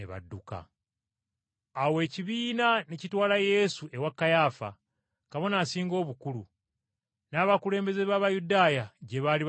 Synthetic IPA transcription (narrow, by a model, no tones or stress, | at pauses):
eβa̰dːuka̰ | awe̞ːciβiːnanecitwaːlaje̞sue̞wakːajafa̰ | kaβo̞naːsiːŋɡo̞ːβukulu | naːβakule̞ːmbe̞ze̞βaːβajudaːjaɟe̞βaːliβ